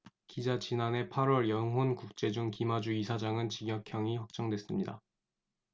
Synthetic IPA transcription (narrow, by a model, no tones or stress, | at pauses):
kid͡ʑat͡ɕinane̞pʰaɾwʌɭjʌŋɦonkuk̚t͡ɕ͈e̞d͡ʑuŋkimad͡ʑuisʰad͡ʑaŋɯnt͡ɕiɡjʌkʰjʌŋiɸʌk̚t͡ɕ͈ʌŋdwe̞s͈ɯmɲida